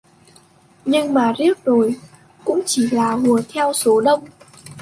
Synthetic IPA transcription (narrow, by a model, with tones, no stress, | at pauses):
ɲɨ˧ŋmaː˨˩zi˦˥ək̚zo˨˩j | kʊ̰˧˥ŋ͡mt͡ɕi˧˩laː˨˩ɣu˨˩ət̪ʰɛ˧wso˨˦ɗə˧wŋ͡m